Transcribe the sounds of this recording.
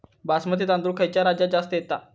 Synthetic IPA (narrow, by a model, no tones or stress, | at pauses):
basmət̪et̪ãnd̪ɾukʰajt͡ɕjaɾad͡ʑad͡zast̪əjet̪a